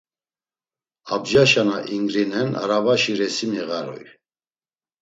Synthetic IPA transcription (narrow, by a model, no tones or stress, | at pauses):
abd͡ʒaʃanaʔiŋɡɾinɛna̰ɾavaʃiɾɛsimiɣaɾɔ̰j